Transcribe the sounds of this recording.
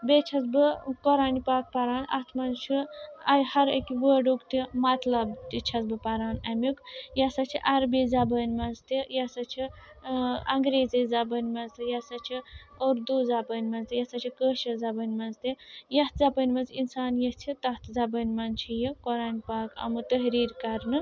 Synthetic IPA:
bet͡ʃʰɐzbɨkoɾaːnipaːk̚pɐɾaːnɐ̰ht̪ʰmɐnt͡ʃʰuɐjhɐɾɐkʲiʋəːɖukt̪imɐt̪lɐbt̪it͡ʃʰɐzbɨpɐɾaːnɐmʲukjɐsɐt͡ʃʰiʔɐɾbizɐbɐːnʲmɐnzt̪ijɐsɐt͡ʃʰi | ɐŋɡɾeːzɐzɐbɐnʲmɐnzt̪ʰɨjɐsɐt͡ʃʰioɾd̪uːzɐbənʲmɐnzt̪ijɐsɐt͡ʃʰikəːʃɐzɐbɐnʲmɐnzt̪ijɐt̪ʰzɐpɐnʲmɐnzinsaːnjɐt͡ʃʰit̪ɐht̪ʰzɐbɐnʲmɐnt͡ʃʰijikoɾaːnipaːkɐ̰mɨt̪əɦɾiːɾʲkɐɾnɨ

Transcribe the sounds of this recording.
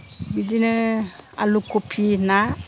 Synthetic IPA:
bid͡ʒinəa̰lukopʰina

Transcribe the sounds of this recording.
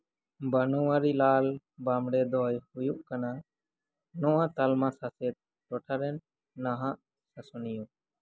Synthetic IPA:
banɔwaɾilal | bamɽɛd̪ɔjhujuʔkana | nɔwat̪almasasɛt̪̚ | ʈɔʈʰaɾɛnː | aɦaʔ | sasɔniju

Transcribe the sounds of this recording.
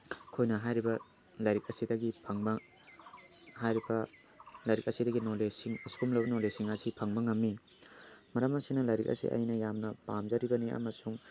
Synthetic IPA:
kʰojnɐɦajɾibɐ | lɐjɾik̚ɐsidɐɡipʰɐŋbɐ | hajɾibɐ | lajɾik̚ɐsidɐɡinolesiŋɐskumlɐbɐnolesiŋɐsipʰɐŋbɐŋɐmːi | mɐɾɐmɐsinɐlɐjɾikɐ̰sḭʔɐ̰jnɐjamnɐpamzɐɾibɐniɐ̰mɐsuŋ

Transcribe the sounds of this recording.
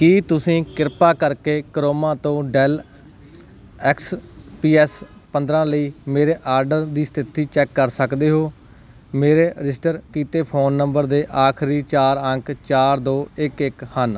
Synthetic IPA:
kiːt̪ʊsĩːkɪɾpaːkəɾkeːkəɾoːmãːt̪õːɖɛːl | ɛːkspiːɛspənd̪ɾãːləiːmeːɾeːʔaːɾɖəɾd̪iːst̪ʰɪt̪iːt͡ʃɛːkːəɾsəkd̪eːɦoː | meːɾeːɪsʈəɾkiːt̪eːpʰoːnːəmbəɾd̪eːʔaːkʰɾiːt͡ʃaːɾəŋkt͡ʃaːɾd̪oːɪkɪkhən

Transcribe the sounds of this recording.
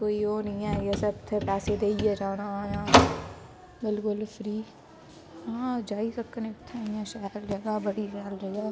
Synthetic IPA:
koːioːnĩːɛːjesəbt̪ʰpɛːsed̪eːied͡ʒaːnajãː | bɪlkʊlfɾiː | ãːd͡ʒaːisɐkənekt̪ʰːaːĩãːʃaːɪld͡ʒɐɡabɐɽixjaːld͡ʒɐɡaː

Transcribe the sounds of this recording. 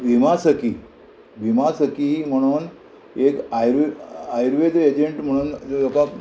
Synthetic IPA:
bʱimasəki | bʱimasəkim̤əɽ̃uːn | ekajɾajɾʋed̪ed͡ʑeɳʈm̤əɽ̃ũːnd͡zoka

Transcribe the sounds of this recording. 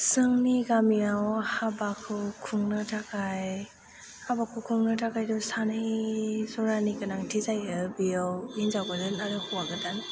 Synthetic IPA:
sɯŋniɡamiawhabakʰːɯkʰuŋnɯtʰakʰaj | habakʰukʰuŋnatʰakʰajdɔsanɯjzɔɾanikɯnaŋtʰizajɯbiɔwinzaɡadɯnadɯhuwaɡɯdan

